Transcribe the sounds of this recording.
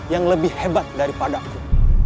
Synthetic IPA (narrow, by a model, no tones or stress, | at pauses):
jaŋləbɪhhebat̪̚daɾipadaku